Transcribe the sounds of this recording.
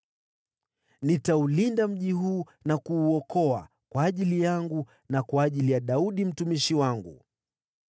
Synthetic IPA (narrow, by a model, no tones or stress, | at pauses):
nitaulindam̩ʄiɦuː | nakuːɔkɔa̰ | kwaːʄilijaŋɡu | nakwaːʄilijaɗauɗim̩tumiʃiwaŋɡṵ